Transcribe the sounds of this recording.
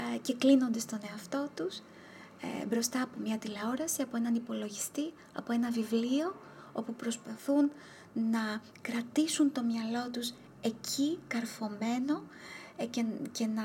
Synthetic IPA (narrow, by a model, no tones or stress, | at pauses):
ce̞klino̞nd̪e̞st̪o̞ne̞ɐft̪o̞t̪us | bɾo̞st̪ɐːpo̞mɲɐt̪ileo̞ɾɐsiɐpo̞e̞nɐnipo̞lo̞ʝist̪i | ɐ̰po̞e̞nɐvivlio̞ | o̞pupɾo̞spɐθun | nɐ | kɾɐt̪isunt̪o̞mɲɐlo̞t̪us | e̞cʰikɐɾfo̞me̞no̞cece̞nɐ